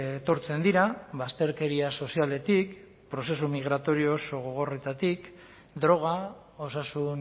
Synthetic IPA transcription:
t̪o̞ɾt͡se̞nd̪iɾaβast̪e̞ɾke̞ɾiaso̞siale̞t̪ik | pɾo̞se̞sumiɣ̞ɾat̪o̞ɾio̞ːso̞ɣ̞o̞ɣ̞o̞re̞t̪at̪ik | d̪ɾo̞ɣ̞a | o̞sasun

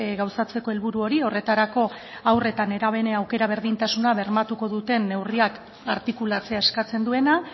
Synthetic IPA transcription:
ɡawsat͡se̞ko̞e̞lβuɾuo̞ɾio̞re̞t̪aɾako̞ | awre̞t̪ane̞ɾaβ̞e̞neawke̞ɾaβ̞e̞ɾðint̪asunaβe̞ɾmat̪uko̞ðut̪e̞nːe̞wriak | a̰ɾt̪ikulat͡se̞ae̞skat͡se̞nd̪ue̞na

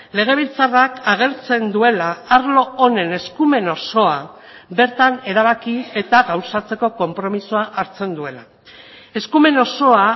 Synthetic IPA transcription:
le̞ɣ̞e̞βilt͡sarakaɣ̞e̞ɾt͡se̞nd̪ue̞laːɾlo̞one̞ne̞skume̞no̞so̞a | be̞ɾt̪ane̞ɾaβ̞akie̞t̪aɣawsat͡se̞ko̞ko̞mpɾo̞misuaʔaɾt͡se̞nd̪ue̞la | e̞skume̞no̞so̞a

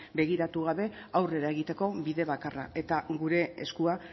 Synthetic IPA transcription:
be̞ɣiɾat̪uɣ̞aβe̞ | awre̞ɾae̞ɣ̞it̪e̞ko̞βiðe̞β̞akara̰e̞t̪aɣuɾe̞ḛskua

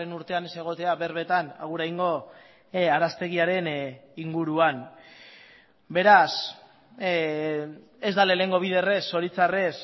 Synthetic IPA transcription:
enuɾt̪e̞ane̞se̞ɣ̞o̞t̪e̞aβe̞ɾβe̞t̪ana̰ɣuɾajŋɡo̞ | aɾast̪e̞ɣ̞iaɾe̞niŋɡuɾuan | be̞ɾas | ezd̪aleleŋɡo̞β̞iðe̞re̞sːo̞ɾit͡sare̞s

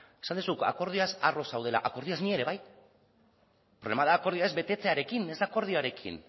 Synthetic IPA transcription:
e̞sand̪usuka̰ko̞ɾð̞iasaro̞sawð̞e̞la̰ʔako̞ɾðiasnie̞ɾe̞βaj | pɾoβlemaðaːko̞ɾðiae̞zbe̞t̪e̞t͡se̞aɾe̞kine̞zd̪aːko̞ɾðioaɾe̞kʰḭn

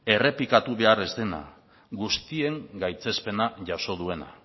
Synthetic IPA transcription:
e̞re̞pikat̪uβe̞are̞zd̪e̞na̰ | ɡust̪ie̞ŋɡajt͡se̞spe̞naʝaso̞ð̞ue̞na̰

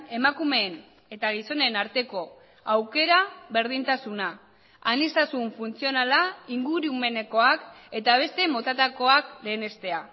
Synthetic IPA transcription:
e̞makume̞ːn | e̞t̪aɣ̞iso̞ne̞naɾt̪e̞ko̞ | awke̞ɾaβe̞ɾð̞int̪asuna | anist̪asuɱfunt͡sio̞nalaiŋɡuɾiume̞ne̞ko̞ake̞t̪aβ̞e̞st̪e̞mo̞t̪at̪ako̞akle̞ːne̞st̪e̞a

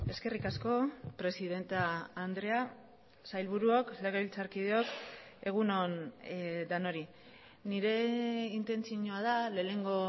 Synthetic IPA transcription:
e̞ske̞rikasko̞pɾe̞siðe̞nt̪aːnd̪ɾe̞a | sajlβuɾuokle̞ɣ̞e̞βilt͡saɾkið̞eo̞k | e̞ɣ̞uno̞n | d̪ano̞ɾi | niɾe̞int̪e̞nt͡sioɲoað̞aleːne̞ŋɡo̞

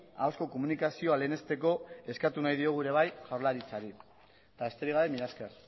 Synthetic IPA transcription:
a̰wsko̞ko̞munikasio̞ale̞ːne̞st̪e̞ko̞e̞skat̪unajðio̞ɣ̞uɾe̞β̞ajʝawɾlaɾit͡saɾi | t̪aest̪e̞ɾiɣ̞aβe̞miðasker

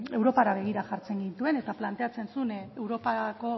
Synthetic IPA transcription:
e̞wɾo̞paɾaβ̞e̞ɣ̞iɾaʝaɾt͡se̞ŋɡint̪ue̞ne̞t̪aplant̪e̞at͡se̞nsunewɾo̞pako̞

